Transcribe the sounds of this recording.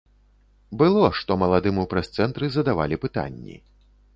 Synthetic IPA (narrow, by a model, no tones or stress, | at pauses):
bɨlˠɔʂt̪ɔmɐlˠad̪ɨmɨwpɾɐst̪sɛnt̪ɾɨzɐd̪ava̰lʲipɨt̪a̰nʲːḭ